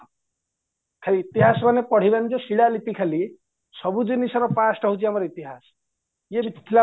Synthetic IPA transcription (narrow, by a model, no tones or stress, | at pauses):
kʰeɾiːt̪iɦasbʱʌnepʌɽ̤ibend͡zʌsiɽalipikʰeli | sʌbud͡zinisʌɾʌpasʈʌɦut͡sʰiamɾʌit̪iɦas | jebʱit̪ʰi̥t̪ʰila